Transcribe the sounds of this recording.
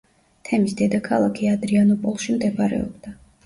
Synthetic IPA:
t̪ʰɛmisd̪ɛd̪akʰalˠakʰiad̪ɾianɔpʼɔlˠʃimd̪ɛpʰɾɛ̰ɔ̰bd̪̥a

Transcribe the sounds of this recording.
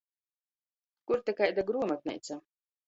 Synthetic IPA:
kuɾt̪ɛkajd̪aɡɾuɔmat̪̚nɛ̰jt̪sa

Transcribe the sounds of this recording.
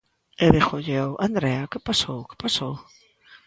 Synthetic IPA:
eðɪxoʎewʔand̪ɾɛakɪpasowkɪ̥pasow

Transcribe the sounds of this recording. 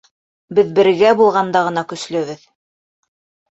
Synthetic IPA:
bɘðbɘ̆ɾɡæbulˠʁɑnd̪ɑʁɤ̆nɑkɵ̆slɵ̆βɘð

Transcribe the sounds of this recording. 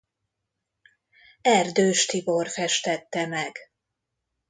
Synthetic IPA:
ɛrd̪øːʃt̪ivorfɛʃt̪ɛt̪ːɛmɛɡ

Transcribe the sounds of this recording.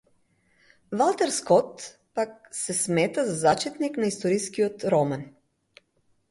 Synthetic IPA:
valˠt̪ɛɾskɔt̪ | pak̚sɛsmɛt̪azazat͡ʃɛt̪niknaist̪ɔɾiskiɔt̪ɾɔman

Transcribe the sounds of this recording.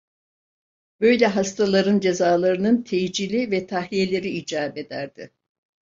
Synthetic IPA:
bø̞jlʲɛɦast̪ʰalˠaɾɯnd͡ʒe̞zaːlˠaɾɯnɯnt̪ʰejd͡ʒilʲivɛt̪ʰaɦije̞lʲe̞ɾiid͡ʒaːbe̞d̪æɾd̪̥ɪ

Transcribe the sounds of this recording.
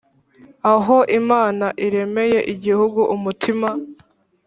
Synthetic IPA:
aɦo̞ʔimaːnaʔiɾe̞me̞je̞ʔiɟihuɡuʔumutʰima

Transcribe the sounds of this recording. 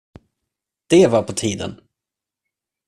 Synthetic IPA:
d̪̥ɛvaɾpʰɔt̪ʰiːd̪ə̰n

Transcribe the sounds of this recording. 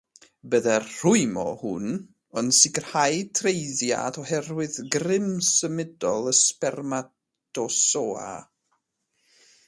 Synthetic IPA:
bəðɛrr̥ʊɨmɔ̰hʊn | ənsɪɡər̥hajtʰrejðja̰dɔhɛrwɨðɡrɪmsəmɪdɔlˠəspɛrma | tʰɔsoːa̰

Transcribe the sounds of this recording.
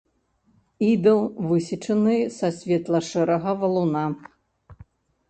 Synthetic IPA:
id̪ɐlˠvɨsʲit͡ʂɐnɨsɐsʲvʲɛt̪lˠɐʂɛɾɐɣɐvɐlˠuna

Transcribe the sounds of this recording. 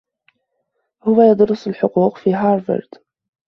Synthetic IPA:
hʊwːæjəd̪ˤɾʊsˤəlħʊquːqfiɦɑɾˤvə̰ɾd̪̥

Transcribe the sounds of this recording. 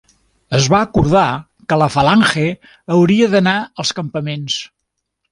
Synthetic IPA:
əzβaəkuɾð̞a | kələfəlaŋxe | əwɾiəðənaəlˠskəmpəmens

